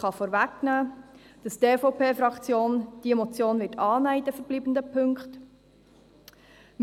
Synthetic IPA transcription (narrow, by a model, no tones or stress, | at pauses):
χɑfɔːɾvæknæː | d̥ɑsdeːfɔʊpeːfɾɑkt͡sjoːnd̥iɛmɔt͡sjoːnvɪːtɑːnæidɛfəɾb̥liːbəndəpʰɵŋkχt | m